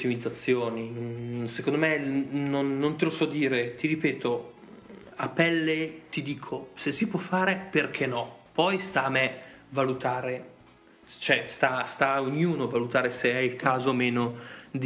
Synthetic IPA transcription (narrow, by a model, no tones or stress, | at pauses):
ot̪ːimid̪zat̪sːjoːnisekond̪omeːonːont̪elosɔd̪iːɾet̪iɾipeːt̪o | apːɛlːet̪id̪iːkʰosesipwɔfːaːɾeperk̟ʰɛnːɔpɔjst̪aːmɛvalut̪aːɾe | t͡ʃoɛst̪ast̪aoɲːuːnovalut̪aːɾeseɛilkʰaːzomeːnod̪